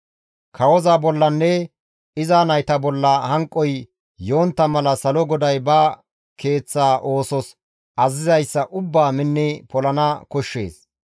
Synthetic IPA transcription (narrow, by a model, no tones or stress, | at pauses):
kʰɐwɔzaːbɔlːɐnːɛ | ɪzaːnɐjt̪ɐbɔlːɐhɐŋkʼːɔj | jo̞ːnt̪ːɐmɐlɐsɐlɔɡɔd̪ɐjbɐ | kʰe̞ːt͡sːaːʔo̞ːsɔs | ʔɐzɪzɐjsːɐʔʊbːaːmɪnːɪpɔlɐnɐkɔʃːe̞̰ːs